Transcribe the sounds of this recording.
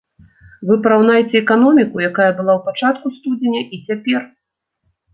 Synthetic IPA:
vɨpɐɾawn̪ajɛt͡sʲɛːkanɔmʲikujakajɐbɨlˠawpat͡ʂat̪kust̪ud͡zʲenʲɐʔit͡sʲapʲɛr

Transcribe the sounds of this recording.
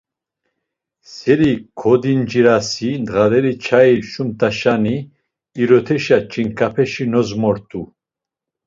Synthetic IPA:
sɛɾikʰɔd̪ind͡ʒiɾasind̪ʁaɾɛɾit͡ʃʰaiʃumt̪ʰʼaʃaniː | ɾɔt̪ʰɛʃat͡ʃʰʼiŋkʰapʰɛʃinɔzmɔɾt̪ʰʼu

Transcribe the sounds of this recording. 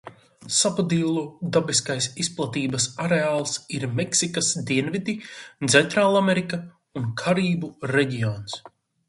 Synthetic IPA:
sapad̪ilˠud̪abɛskajsisplˠat̪iːbɐsaɾeaːlˠsiɾmɛksikasd̪iɛnvid̪it̪sɛnt̪ɾaːlˠameɾika | unkʰaɾiːbuɾɛɟʲijɔːns

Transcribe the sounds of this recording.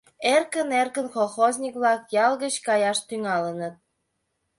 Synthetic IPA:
erkənerkənxolˠxozʲnʲikβlɑkjɑlɣət͡ɕkɑjɑʃt̪yŋɑlənət̪̚

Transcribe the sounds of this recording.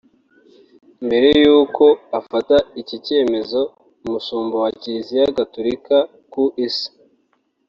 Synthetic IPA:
mbe̞ɾe̞juːko̞afataicice̞ːme̞zo̞ | muʃuːmbowaciɾizijaɡatoɾika | kuʔisi̥

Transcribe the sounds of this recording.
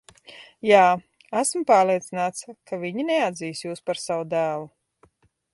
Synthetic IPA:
jaː | æsmpaːɾlˠiɛt̪sinaːt̪skavʲiɲinɛad̪ziːsjuːspaɾsavwud̪æːlˠu

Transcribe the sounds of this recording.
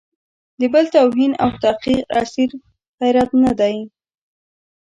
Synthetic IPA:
d̪əbəlt̪awɦinawt̪aqiqasiɾ | ɣajɾat̪nad̪aj

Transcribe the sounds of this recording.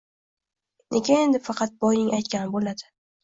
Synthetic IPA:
nʔekʲʰɪne̞nd̪ɪfɑqʰɑt̪̚bɒjnɪŋʔajt̪̚kʲanɪbolad̪ɪ

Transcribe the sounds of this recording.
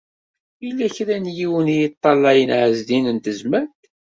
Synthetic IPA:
ilːæçɾænjiwənijət̪ˤːɑlːɑjənʕəzd̪inənt̪əzmæɾt̪

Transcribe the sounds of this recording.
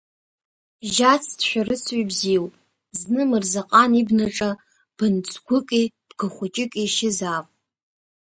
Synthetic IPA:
ʒat͡sʰdʃʷᶣarɨt͡sʰibziwpʼ | znɨmɨrzaqʼanibnaʈ͡ʂʼa | b̥ɨnt͡sʷʰɡʷʊkʼib̥ɡɨχʷʊt͡ʃʼɪkʼiʃɪzapʼ

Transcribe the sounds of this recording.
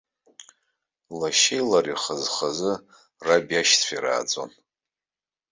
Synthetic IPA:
laʃejlariχəzχazɨ | rabjaʃtt͡sʷʰiɾa̰ːd͡zʼo̰n

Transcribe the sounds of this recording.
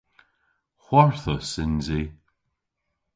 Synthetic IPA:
xwɔɹθəsɪnzi

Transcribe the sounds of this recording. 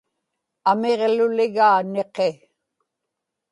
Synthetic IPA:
ameʁlʊlɪɣaːne̞qe

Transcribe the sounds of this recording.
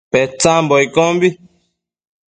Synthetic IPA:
pɛt͡sambɔikɔmbi

